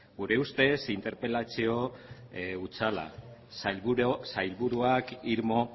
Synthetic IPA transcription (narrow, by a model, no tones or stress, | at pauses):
ɡuɾe̞ust̪e̞sint̪e̞ɾpe̞lat͡sio̞ | ut͡sala̰ | sajlβuɾuakiɾmo̞